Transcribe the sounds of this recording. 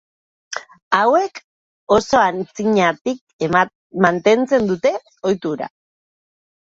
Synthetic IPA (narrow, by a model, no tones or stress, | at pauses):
awe̞k | o̞so̞ant͡siɲat̪ik̚ | mant̪e̞nt͡se̞nd̪ut̪e̞ | o̞jt̪uɾa̰